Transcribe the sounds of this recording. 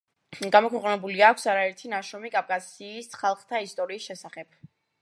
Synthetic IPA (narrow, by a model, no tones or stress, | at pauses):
ɡamɔkʰwɛqʼnɛbuliakʷʰsaɾaɛɾt̪ʰinaʃɾɔmikʼap̚ʼkʼasiːsχalˠχt̪ʰaist̪ʼɔɾiːsʃɛsaχɛb̚